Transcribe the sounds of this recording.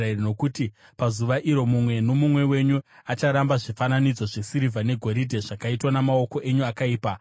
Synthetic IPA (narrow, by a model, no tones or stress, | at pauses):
no̞kuti | pazuʋaʔiɾo̞mumwe̞no̞mumwe̞we̞ɲuat͡ʃaɾambaʐifananid͡zo̞ʐe̞siɾivʱane̞ɡʱo̞ɾidʱeʐakaitwanamao̞ko̞ʔe̞ɲuakaiːpa